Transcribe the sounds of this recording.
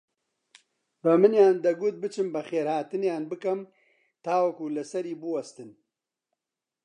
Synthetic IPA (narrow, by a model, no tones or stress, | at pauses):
bɨmɨnjaːnd̪ɐɡuːt̪̚bɨt͡ʃʰɨmbɐxeːɾhaːt̪ɨnjaːnbɨkɐm | t̪ʰaːwɐkulɨsɐɾiːbɨwɐst̪ɨn